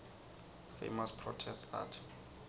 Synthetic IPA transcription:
fḛmaspʰrɔtʰɛsta̰tʰ

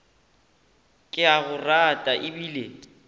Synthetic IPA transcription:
kʼɪaɣʊratʼaʔɪbiːle

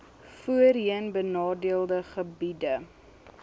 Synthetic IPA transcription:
fuəriənbənɑːdiəlˠdəχəbidə

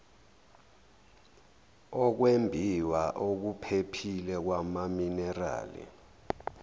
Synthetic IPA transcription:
ɔk̬wembʱiwaʔok̬upʰepʰilɛk̬wamaminɛra̰ːlḭ

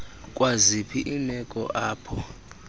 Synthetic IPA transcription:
kʼwazipʰiʔinɛkʼɔ̰ʔaːpʰɔ

